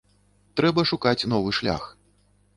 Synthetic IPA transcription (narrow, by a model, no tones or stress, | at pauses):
t̪ɾɛbɐʂukat͡sʲnɔvɨʂlʲa̰x